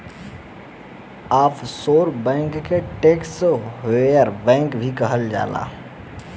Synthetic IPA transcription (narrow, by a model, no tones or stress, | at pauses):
aːpʰsoːɾbɛ̃ːŋkːeʈeːksɦojəɾbɛ̃ːŋkbʱikəɦəld͡ʒa̰ːla̰ː